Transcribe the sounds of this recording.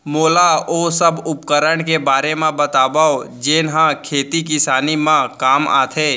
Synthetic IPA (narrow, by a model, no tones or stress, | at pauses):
moːlaoːsəbʊpkəɾəɽ̃kebaːɾemãbət̪aːbaod͡ʒeːnɦãkʰeːt̪ikɪsaːnimãkaːma̰ːt̪ʰeː